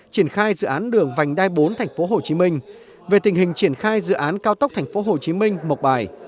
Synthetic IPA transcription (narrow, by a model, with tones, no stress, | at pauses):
t͡ɕi˧˩ənxaː˧jzɨ̰˧˨ʔaː˨˦nɗɨ˨˧˩əŋva˨˩jŋ̟ɗaː˧jɓo˨˦nt̪ʰa˨˩jŋ̟fo˨˦ɦo˨˩t͡ɕi˨˦mï˧ŋ̟ | ve˨˩t̪ï˨˩ŋ̟ɦï˨˩ŋ̟t͡ɕi˧˩ənxaː˧jzɨ̰˧˨ʔaː˨˦nkaː˧wt̪ə˦˥k͡p̚t̪ʰa˨˩jŋ̟fo˨˦ɦo˨˩t͡ɕi˨˦mï˧ŋ̟mo˨˩t̚ɓaː˨˩j